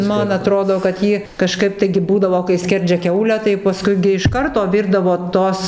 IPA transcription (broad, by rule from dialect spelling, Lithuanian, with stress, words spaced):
ˈmɐn ɐˈtroːdoː kɐt ˈjiː kɐˈʃkɐɪp tɐɪɡʲɪ ˈbuːdɐʋoː kɐɪ ˈsʲkʲɛrʲd͡ʒʲɛ ˈkʲɛʊlʲæː tɐɪ pɐˈskʊɪ ɡʲɪ ɪʃ ˈkɐrtoː ˈʋʲɪrdɐʋoː ˈtoːs